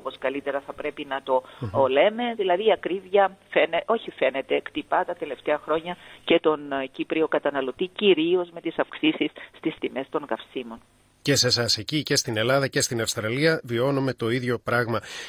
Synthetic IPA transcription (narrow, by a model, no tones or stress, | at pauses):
oposkɐlit̪e̞ɾɐθɐpɾe̞pinɐt̪o̞le̞me̞ðilɐðiɐkɾivʝɐfeneo̞çife̞ne̞t̪e̞kt̪ipɐt̪ɐt̪e̞le̞ft̪eɐxɾo̞ɲɐce̞t̪o̞ncipɾio̞kɐt̪ɐnɐlo̞t̪iciɾio̞zme̞t̪isɐfksisisːt̪ist̪imest̪o̞ŋkɐfsimo̞n | ce̞se̞sɐse̞cice̞st̪ine̞lɐðɐce̞st̪inɐfst̪ɾɐliɐvio̞nome̞t̪o̞iðʝo̞pɾɐɣmɐ